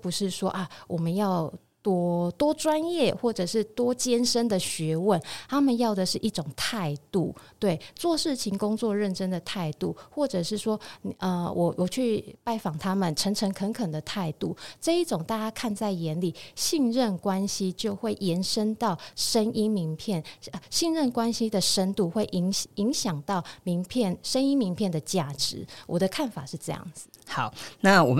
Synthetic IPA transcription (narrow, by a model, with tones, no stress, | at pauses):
pu˧˦ʂɻ̩˥˩ʂwɔ˦˥ʔa˨wʔɔ˨˩mə˨˦njɑ˥˩ʊ | t̪wɔ˥t̪wɔ˥ʈ͡ʂwa˦njɛ˥˨xwɔ˥˩ʈ͡ʂɤ˨˩ʂɻ̩˥˩t̪wɔ˥t͡ɕjɛ˥nʂə˥nd̪ə˨ɕɥɛ˧˥wə˥˨nt̪ʰa˥mə˨njɑ˥˩ʊd̪ə˩ʂɻ̩˥˩ʔi˥˩ʈ͡ʂʊ˨˩ŋt̪ʰa˥˧ɪt̪u˥˩t̪we˥˩ɪt͡swɔ˥˧ʂɻ̩˥˩t͡ɕʰi˧˥ŋkʊ˥ŋt͡swɔ˥˧ɻə˥˨nʈ͡ʂə˥nd̪ə˨t̪ʰa˥˧ɪt̪u˥˩xwɔ˥˩ʈ͡ʂɤ˨˩ʂɻ̩˥˩ʂwɔ˥˨ə˧˩wʔɔ˨˩wʔɔ˨˩t͡ɕʰy˥˩pa˥˩ɪfɑ˨˩ŋt̪ʰa˦˥mə˨nʈ͡ʂʰə˧˥ŋʈ͡ʂʰə˧˥ŋkʰə˧˥ŋkʰə˨˩nd̪ə˩˦t̪ʰa˥˧ɪt̪u˥˩ʈ͡ʂɤ˥˧i˥˩ʈ͡ʂʊ˨˩ŋt̪a˥˩t͡ɕja˥kʰa˥˧nt͡sa˥˩ɪjɛ˧˥nli˨˩ɕi˥˧ŋɻə˥˨nkwa˦nɕi˦˥t͡ɕjo˥˧ʊxwe˥˩ɪjɛ˧˥nʂə˦˥nt̪ɑ˥˩ʊʂə˥ni˥mi˧˥ŋpʰjɛ˥˩nə˨˩ɕi˥˧ŋɻə˥˩nkwa˦nɕi˦d̪ə˨ʂə˥nt̪u˥˧xwe˥˩ɪʔi˧˥ŋi˧˦ŋɕjɑ˨˩ŋt̪ɑ˥˩ʊmi˧˥ŋpʰjɛ˥˩nʂə˦˥ni˥mi˧˥ŋpʰjɛ˥˩nd̪ə˩t͡ɕja˥˩ʈ͡ʂɻ̩˧˦wɔ˨˩d̪ə˦kʰa˥˩nfa˨˩ʂɻ̩˥˧ʈ͡ʂɤ˥˧jɑ̰˥˩ŋd͡zɹ̩˨˩hɑ˨˩˦ʊna˥˨wɔ̰˨˩m